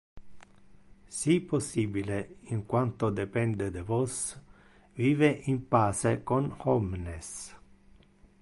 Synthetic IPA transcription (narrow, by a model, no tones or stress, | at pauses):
sipːosːiːbileiŋkwant̪od̪epɛnd̪ed̪evos | viːveʔimpaːsekonhɔmnes